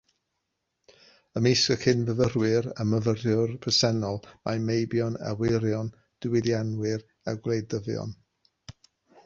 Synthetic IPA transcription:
əmejskəkhɨnvəvərwɨɾəməvərjʊrpʰəsɛnɔlˠmamejbjɔna̰wɪɾjɔn | d̥ɪwɪdjanwɪr | aɡwlˠejdəvjɔ̰n

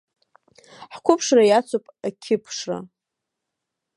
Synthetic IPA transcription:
ħkʷʰʊpʰʂrajat͡sʷʰopʼakʲʰɪpʰʂra̰

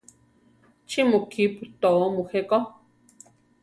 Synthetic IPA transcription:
t͡ʃʰimukʰiput̪oomuheko

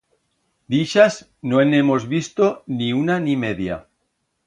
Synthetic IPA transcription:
d̪iʃaz | noenemo̞zβist̪oniunanimeðja̰

